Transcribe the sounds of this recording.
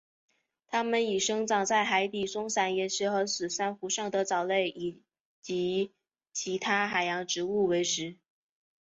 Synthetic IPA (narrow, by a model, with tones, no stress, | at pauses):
t̪ʰa˥mə˨ni˨˩ʂɤ˥ŋʈ͡ʂɑ˨˩ŋt͡sa˥˩ɪxa˧˥ɪt̪i˨˩sʊ˥ŋsa˨˩njɛ˧˥˩nʂɻ̩˧˥xɤ˧˥sɹ̩˨˩sa˥nxu˧˥ʂɑ˥˩ŋd̪ə˩t͡sɑ˨˩ʊle˥˩ɪʔi˨˩ | t͡ɕi˧˥ | t͡ɕʰi˧˥t̪ʰa˥xa˨˩ɪjɑ˧˥ŋʈ͡ʂɻ̩˧˥u˥˩we˧˥ɪʂɻ̩˧˥